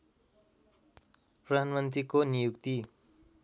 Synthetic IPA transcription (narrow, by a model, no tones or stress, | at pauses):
prʌd̪ʱanmʌnt̪rikonijukt̪i